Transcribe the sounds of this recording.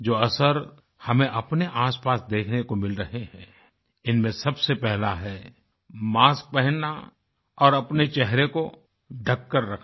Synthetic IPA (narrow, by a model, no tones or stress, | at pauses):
d͡ʒoːɐsəɾ | hɐmẽʔɐpneʔaːspaːsd̪eːkʰnekomɪlɾɐɦeɦɛ̃ː | ɪnmẽsɐbsepɛɦlaɦɛ | maːsk̚pɛɦə̃nːa | ɔːɾɐpnet͡ʃɛɦɾeko | ɖʱɐkːəɾːɐkʰ